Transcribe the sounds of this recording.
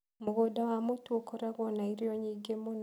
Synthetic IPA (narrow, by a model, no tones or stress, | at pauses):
muɣodawamotuokoɾaɣɔnaiɾiɔɲiːɡemon